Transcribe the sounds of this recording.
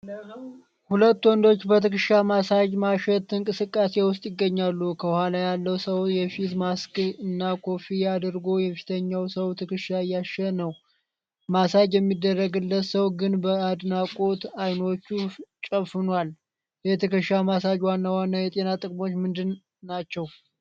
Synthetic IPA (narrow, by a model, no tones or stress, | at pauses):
hulət̪ːwɔnd̪o̞t͡ʃːbət̪ʰɨkɨʃamasad͡ʒmaʃɛt̪ɨŋkʼɨsɨkʼːase̞wʊst̪ʼjɪɡːəɲːalːukʰəhalajalːəwsəwjɛfit̪maskɨnːakʰo̞fijad̪ɨɾɡo̞jɛfi̥t̪ʰəɲːawsəwt̪ʰɨkɨʃaɨjːaʃːənəw | masad͡ʒjɛmːid̪ːərːəɡɨlːət̪səwɡɨnbəad̪nakʼo̞t̪ajno̞t͡ʃːut͡ʃʼəβfɨnwal | jɛt̪ʰɨkɨʃamasad͡ʒwanːawanːajɛt̪ʼe̞nat̪ʼɨkʼmo̞t͡ʃːmɨnd̪ɨnː | at͡ʃːɛw